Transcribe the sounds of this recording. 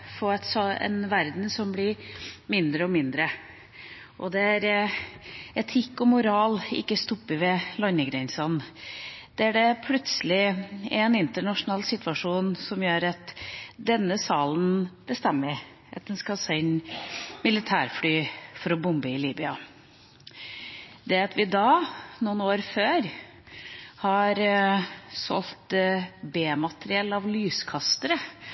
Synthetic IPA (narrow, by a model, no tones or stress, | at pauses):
fɔɛt̪sɔɛ̰nʋæɾd̪n̩sɔmblɪɾmɪnd̪ɾəɔmɪnd̪ɾə | ʔɔ̰d̪ɛæɾ | ɛt̪ʰɪkːɔmʊɾɑːlɪ̰kːəst̪ɔpːəʋɛlɔnːəɡɾɛɪnsɑn | d̪̥ɛæɖɛpʰlʉt̪səlɪɛnɪnt̪əɳɑʂʊnɑːlsɪt̪ʋɑʂuːnsɔmjøːɾɑt̪d̪ɛnːəsɑːlənb̥əst̪ɛmːəɾ | ɑt̪̚d̪ɛnskɑsæɪnmɪlɪt̪ʰæːɾflyːfɔɾɔbʊmbəɪliːbʏɑ | d̪ɛɑt̪ʋɪd̪ɑːnuːnoːɾføːɾ | hɑɾ | sɔ̰lt̪beːmɑt̪ɾɪɛlːɑʋlyːskʰɑst̪əɾə